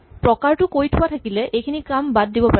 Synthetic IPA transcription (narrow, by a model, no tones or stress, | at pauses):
pɹɔkaɹtʊkoɹjtʰʊwatʰakilɛʔejkʰinikambad̚ːibɔpa